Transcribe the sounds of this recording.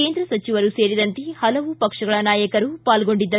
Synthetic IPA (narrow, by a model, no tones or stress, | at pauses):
e̞ːnd̪ɾɐsɐt͡ʃiʋɐɾuseːɾid̪ɐnt̪ihɐlɐʋupɐkʂɐɡɐɭɐnaːjɐkɐɾupaːlɡoɳɖid̪ːɐ